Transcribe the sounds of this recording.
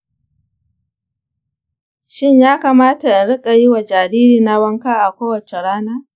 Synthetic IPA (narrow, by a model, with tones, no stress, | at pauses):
ʃɪ˦ɲjaː˦kaː˨maː˦ta˨ʔɽɪ˦kʼa˨jɪ˦wa˨d͡ʒaː˨ɽiː˦ɾiː˨na˦wɐ˦ŋkaː˦ʔa˨kʷoː˦wɐ˨t͡ʃe˨ɽaː˦naː˦